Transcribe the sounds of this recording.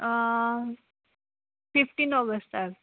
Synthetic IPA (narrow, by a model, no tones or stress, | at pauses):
fifʈiːnɔɡəsʈ̪əɾ